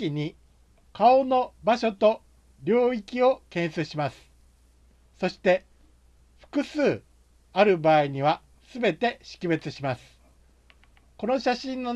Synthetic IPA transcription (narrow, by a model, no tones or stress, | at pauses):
iɲ̟i | kao̞no̞baɕo̞t̪o̞ | ɾʲo̞ːikʲio̞kẽ̞ɰ̃sɨɕimasɨ̥ | so̞ɕi̥t̪e̞ | ɸɯ̟̥kɯ̟sɨː | aɾɯ̟baːiɲ̟iβ̞a | sɨbe̞t̪e̞ɕi̥kʲibe̞t͡sɨɕimasɨ̥ | ko̞no̞ɕaɕĩnːo